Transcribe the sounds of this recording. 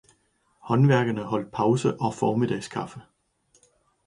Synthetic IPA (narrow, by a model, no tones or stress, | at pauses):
hɒ̽nʋæɐɡ̥ɐnəhɒ̽l̰d̥̚pʰɑ̈ʊsəʔɒ̽fɒːmid̥ɛ̰ɪskʰɑ̈fə